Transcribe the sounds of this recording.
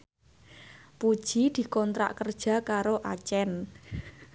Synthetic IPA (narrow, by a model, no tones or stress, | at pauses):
pud̥ʒ̥i̤d̪̥i̤kɔnt̪ɾa̰ʔkərd̥ʒ̥ä̤kaɾoʔat͡ʃɛn